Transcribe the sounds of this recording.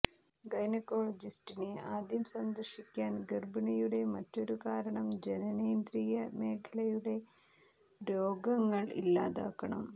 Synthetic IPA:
ɡɐjnɐkːo̞ːɭɐd͡ʑisʈineaːd̪jɐmsɐnd̪ɐrʂikʲːaːnɡirbɐɳɐjuɽe̞mɐtːo̞ɾukaːɾɐɳɐmd͡ʑenɐneːnd̪ɾijɐme̞ːkʰɐlɐjuɽe̞ | ɾoːɡɐŋːɐɭḭlːaːða̰ːkːɐɳɐ̰m

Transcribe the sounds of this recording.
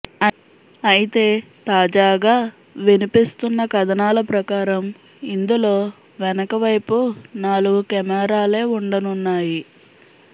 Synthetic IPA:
ɐjit̪e̞ː | t̪aːd͡ʒaːɡaː | ʋenipist̪unːɐkɐd̪ɐnaːlɐpɾɐkaːɾɐm | ind̪ulo̞ː | ʋɛnɐkɐʋɐjpunaːluɡukɛmɛːɾaːle̞ːuɳɖɐnunːaːji

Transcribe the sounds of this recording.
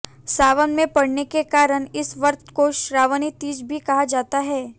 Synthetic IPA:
saːʋənmẽpɐɽ̤nekekaːɾəɽɪsʋɐɾt̪koʃɾaːʋənit̪iːd͡ʒbʱikɐɦad͡ʒaːt̪aɦɛː

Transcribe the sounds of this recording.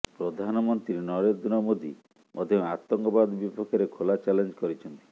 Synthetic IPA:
pɾod̪ʱanɔmɔnt̪ɾiɾenɔɾed̪unɔmod̪i | mʔɔ̰d̪ʱjɔŋat̪ːɔŋkɔbad̪bipɔkʰːɔɾekʰolat͡ʃalend͡ʒɔkɔɾit͡ʃʰɔnt̪i̥

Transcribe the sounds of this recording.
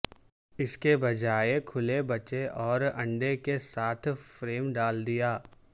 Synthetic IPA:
ɪskebɐd͡ʒaːekʰʊlebɐt͡ʃeʔɔːɾɐ̰̃ɳɖekesaːt̪ʰfɾeːmɖaːld̪ijaː

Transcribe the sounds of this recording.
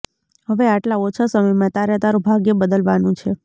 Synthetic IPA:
ɦəʋeaʈlaot͡ʃʰasəməjmãt̪aɾjɛt̪aɾũbʱaɡjəbəd̪əlʋanũt͡ʃʰe

